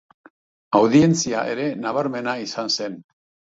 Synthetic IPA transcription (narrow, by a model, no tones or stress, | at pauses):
awðie̞nt͡siaʔe̞ɾe̞naβ̞aɾme̞naisanse̞n